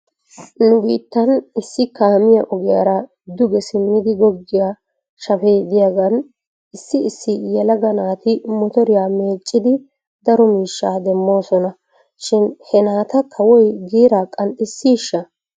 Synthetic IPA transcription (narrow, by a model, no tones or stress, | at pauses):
nʊɡiːt̪ːɐnɪsːɪkaːmɪjɐ̰ʔɔɡɪjɐ̰ɾɐ | d̪ʊɡɛsɪmːɪd̪ɪɡɔɡːɪja | ʃɐfeːd̪ɪjɐɡɐn | ɪsːɪɪsːɪjɛlɐɡɐnaːt̪ɪmɔt̪ɔɾɪjaːme̞ːt͡ʃʼːɪd̪ɪ | d̪ɐɾɔmiːʃːaːd̪ɛmːo̞ːsɔnɐ | ʃɪnhɛnaːt̪ɐkʰɐwɔjɡiːɾaːkʼɐnt̪ʼːɪsːiːʃːɐ